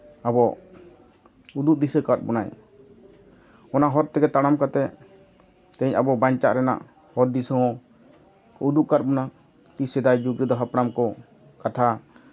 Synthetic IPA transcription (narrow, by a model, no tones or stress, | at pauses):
abɔ | ud̪uʔ̚d̪isəkat̪̚bɔnaj | ɔnaʔɦɔɾt̪ɛɡɛt̪aɽ̃amkat̪ɛ | t̪ɛɲabɔbaɲt͡ʃaʔɾɛna̰ʔ | hɔɾd̪isɔɦɔ | ud̪uʔkat̪̚bɔna | t̪isɛd̪ajd͡ʒuɡɾəd̪ɔɦapɾamkɔ | kat̪ʰa